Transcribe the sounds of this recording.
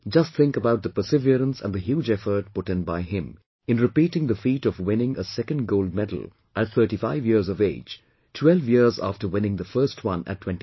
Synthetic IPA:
d͡ʒʌst̚θɪ̃ŋkəbaʊt̪̚d̪əpə˞sɪviəɾə̃nsə̰̃ndðɨɦjuːd͡ʒɛfə˞t̚pʊɾɪ̃nbaɪɪ̃m | ɨ̃nɹɨpiːɾɪ̃ŋd̪əfiːɾɔvwɪ̃nɪ̃ŋʔəsɛkɨ̃ndɡoʊld̚mɛdl̩ˠ | ʔɨt̪̚θɜ˞ʈifaɪvjɪɹzɔveɪ̥d͡ʒ | tʰwɛlˠvjɪɹzæ̰ftə˞wɪ̃nɪ̃ŋd̪əfɜ˞stʰwʌ̃nɨ̰ttːʰw̥ɛ̃nti

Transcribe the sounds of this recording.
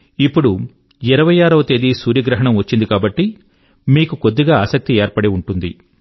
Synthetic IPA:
ipːuɽu | iɾɐʋɐjaːɾɐʋɐt̪e̞ːd̪isuːɾjɐɡɾɐɦɐɳɐmʋɐt͡ʃːind̪ikaːbɐʈːi | miːkukod̪ːiɡaːaːsɐk̚t̪ieːɾpɐɽeuɳʈund̪i

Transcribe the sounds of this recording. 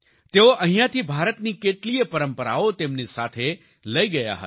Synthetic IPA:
t̪eoʔəɦĩjãt̪ʰibʱaɾət̪nikeʈliepəɾəmpəɾa̰ot̪emnisat̪ʰe | ləiɡəja̰ɦə̰

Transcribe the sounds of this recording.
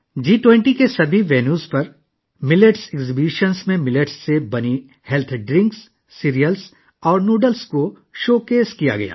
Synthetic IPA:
d͡ʒiːʈwɛ̃ɳʈikesɐbʱiʋeːnjuːzpɐɾ | mɪleʈsɛɡzɪbiʃənsmẽmɪleʈsːebɐni | hɛlt̪ʰɖɾɪ̃ŋksː | iːɾijəls | ɔːɾnuːɖəlsko | ʃoːkeːskija̰ɡɐ̰ja̰ː

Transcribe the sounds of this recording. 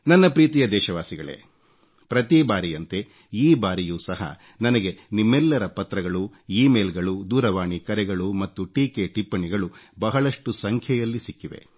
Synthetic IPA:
nɐnːɐpɾiːt̪ijɐd̪ɛːʃɐʋaːsiɡɐɭḛ | pɾɐt̪ibaːɾijɐnt̪e̞ | iːbaːɾijuːsɐɦɐ̰ | nɐnɐɡe̞nimːɛlːɐɾɐpɐt̪ɾɐɡɐɭuiːmeːlɡɐɭud̪uːɾɐʋaːɳikɐɾɛɡɐɭumɐt̪ːuʈiːkeʈipːɐɳiɡɐɭubɐɦɐɭɐʂʈusɐŋkʰjɐjɐlːisikːiʋe̞̰

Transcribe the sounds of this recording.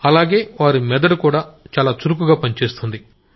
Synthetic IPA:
ɐlaːɡe̞ːʋaːɾimɛd̪ɐɾukuːɽaːt͡ʃaːlaːt͡ʃuɾuk̬uɡaːpɐnit͡ʃe̞ːst̪und̪i

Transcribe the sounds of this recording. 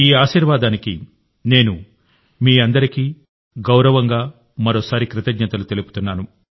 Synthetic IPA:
iːaːʃiːɾʋaːd̪aːnikḭ | ne̞ːnu | miːɐnd̪ɐɾiki | ɡɐwɾɐʋɐŋɡaː | mɐɾoːsaːɾikɾɪt̪ɐɡnɐt̪ɐlut̪e̞lupu̥t̪unːaːnu

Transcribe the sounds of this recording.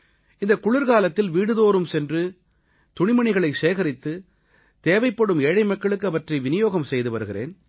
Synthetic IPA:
ɪnd̪ɐkʊɭɪɾɣaːlɐt̪ːɪlʋiːɽɯðoːɾɯmsɛndrɯ | t̪ʊɳɪmɐɳɪɣɐɭɐɪseːɣɐɾɪt̪ːɯ | t̪eːʋɐɪpːɐɽɯmeːɻɐɪmɐkːɐɭɯkːɯɐʋɐʈriʋɪnɪjoːɣɐmsɛjðɯʋɐɾɯɣɪrḛːn

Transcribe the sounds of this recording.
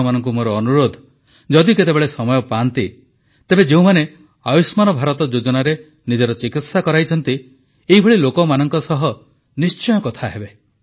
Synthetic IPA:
manɔŋkumoɾɔːnuɾod̪ʱ | d͡ʒɔd̪iket̪ebeɭesɔmɔjɔpaːnt̪i | t̪ebed͡ʒeũmane | ajusmanɔbʱaɾɔt̪ɔd͡ʒod͡ʒɔnaɾe | nid͡ʒɔɾɔt͡ʃikit̪sakɔɾajt͡ʃʰɔnt̪i | eibʱɔɭilokɔmanɔŋkɔsɔɦɔ | nist͡ʃɔjɔkɔt̪ʰaɦebe

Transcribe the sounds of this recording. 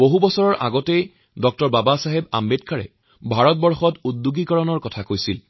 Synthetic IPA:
boɦubɔsɔɹɔɹʔa̰ɡɔtej | dɔk̚tɔɹbabasaɦeba̰mbed̚kʰaɹɛ̰ | bʱaɹɔt̚bɔɹxɔtudduɡikɔɹɔnɔɹkɔtʰakojsil

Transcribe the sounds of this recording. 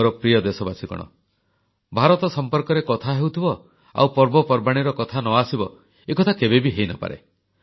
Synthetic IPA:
ɾɔpɾiɔd̪esɔbasikɔ̰ɽ̃ɔ̰ | bʱaɾɔt̪ɔsɔmpɔɾkɔɾekɔt̪ʰaɦewt̪ʰibɔ | a̰wpɔɾbɔpɔɾbaɽ̃iɾɔkɔt̪ʰanɔasibɔ | ekɔt̪ʰakebebiɦejnɔ̰pa̰ɾḛ

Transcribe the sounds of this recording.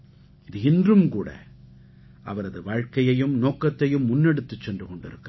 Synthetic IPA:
ɪðɯɪndrɯmkuːɽɐ̰ | ʔɐ̰ʋɐɾɐðɯʋaːɻkɐjɐjɯmnoːkːɐt̪ːɐjɯmːʊnːɛɽɯt̪ːɯt͡ʃːɛndrɯkɔɳɖɪ̰ɾɯkː

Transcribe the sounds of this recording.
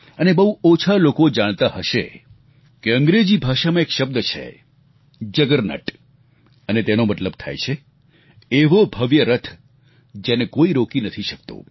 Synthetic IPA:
ənebəɦuot͡ʃʰalokod͡ʒaɽ̃t̪aɦəʃḛ | keə̃ŋɡɾed͡ʒibʱaʃamãekʃəb̚d̪ət͡ʃʰḛ | d͡ʒəɡəɾnə̰ʈ | ənet̪enomət̪ləb̚t̪ʰa̰jt͡ʃʰe | eʋobʱəʋjəɾət̪ʰ | d͡ʒenekoiɾokinət̪ʰiʃək̚t̪o̰

